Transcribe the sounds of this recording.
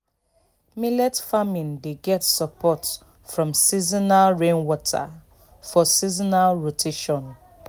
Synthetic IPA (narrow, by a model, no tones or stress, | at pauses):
milɛtfamĩndeɡɛtsapʰɔt | fɹɔ̃msizɔnalɹẽnwɔtʰa̰ | fɔsizɔnalɹotʰeʃɔ̃n